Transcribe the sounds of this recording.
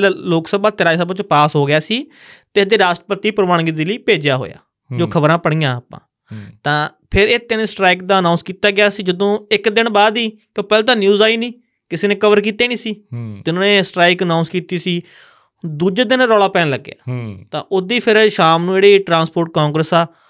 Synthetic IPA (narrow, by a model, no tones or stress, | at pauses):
lloːksəbaːt̪ɪɾaːisəbãːt͡ʃpaːsɦoːɡɪjaːsiː | t̪eːsd̪eːɾaːsʈəpət̪ːiːpəɾmaːɳɡiːd̪eːliːpeːd͡ʒjaːɦo̰ːja̰ː | d͡ʒoːkʰəbəɾãːpəɽ̃iːãːaːpã̰ː | t̪ãː | pʰɪɾeːt̪ɪnẽːsʈɾaːiːk̚d̪aːənãːnskiːt̪aːɡɪjaːsiːd͡ʒəd̪õːɪkd̪ɪɳbaːd̪iːkjõːpɛːlːt̪ãːnjuːzaːiːnĩː | kɪseːnẽːkəʋəɾk̬iːt̪eːnĩːsiːt̪ɪnõːneːsʈɾaːɪkənaːʊnskiːt̪iːsiː | d̪uːd͡ʒed̪ɪnɾɔːɽaːpɛːnləɡːja̰ːt̪ãːʔʊd̪iːpʰɪɾʃaːmnũːeːɽeːʈɾãːnspoːɾʈ̚kãːŋɡɾəsaː